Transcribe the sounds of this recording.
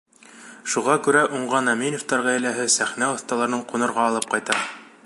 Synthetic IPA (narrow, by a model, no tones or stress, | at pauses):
ʃuʁɑkʉɾæʔuɴʁɑnæminoft̪ɑɾʁæjlæɦɘsæχnæŏθt̪ɑlˠɑɾnɤɴqunɤ̆ɾʁɑːlˠɤp̚qɑjt̪ɑ